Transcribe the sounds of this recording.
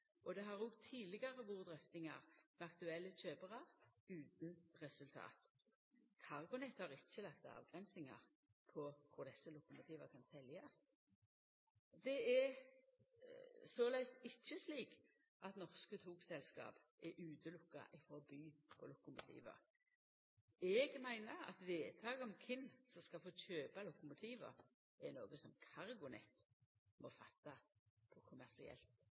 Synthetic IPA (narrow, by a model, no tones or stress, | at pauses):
ʔɔd̪ɛɦɑʁʊɡt̪ʰiːlɪɡɑʁəʋuːʁd̪ʁœft̪ɪŋɑ̰ʁmɛɑkt̪ʉɛlːət͡ʃøːbəʁɑʁʉːt̪nʁɛsʉlt̪ʰɑ̰ːt̪ | kʰɑʁɡʊnɛt̪hɑʁɪçːəlɑkt̪ɑ̰ːʋɡ̥ʁɛnsnɪŋɑ̰ʁ | pʰɔkʰʊʁd̪ɛsːəlʊkʊmʊt̪ʰiːʋəkʰɑnsɛljɑs | d̪ɛɛ | sɔlæɪsɪçːəsliːk | ʔɑt̪nɔʁskət̪ʰuːksɛlskɑ̰ːp | ʔɛʔʉːt̪ʰəlʊkːa̰ʔɪfɔʁbyːpʰɔlʊkʊmʊt̪ʰḭːʋə̰ | ɛɡmæɪnəɑ̰t̪ʋeːt̪ʰɑːɡəɔmkʰɪnːsɔskɑlfoːc͡çøːpɑlʊkʊmʊt̪ʰiːʋə̰ʁ | ɛnoːɡəsɔmkʰɑʁɡʊnɛ̰t̪ | mɔfɑt̪ːɑpʰɔkʰʊmæʁsɪ̰ɛ̰lt̪